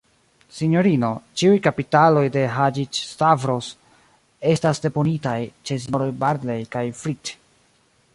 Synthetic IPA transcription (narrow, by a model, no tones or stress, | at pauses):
siɲo̞ɾino̞t͡ʃiujkapitalo̞jde̞ɦad͡ʒit͡ʃstavɾos | e̞stasde̞po̞nitajt͡ʃe̞s̬inoɾo̞jbaɾdle̞jkajfɾit